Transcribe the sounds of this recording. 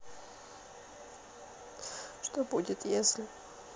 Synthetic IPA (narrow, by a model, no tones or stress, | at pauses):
ʂt̪obudʲɪt̪jesʲlʲɪ